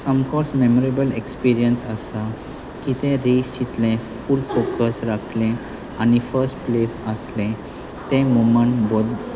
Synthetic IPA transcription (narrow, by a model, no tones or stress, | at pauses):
səmkɔɾsmemoɾebəlekspiɾijənsəsa | kit̪ẽɾist͡ɕit̪lẽfulfokəsɾakʰlɛ̃ | añifəɾsʈplesəslɛ̃ | t̪ɛ̃moməɳbod̪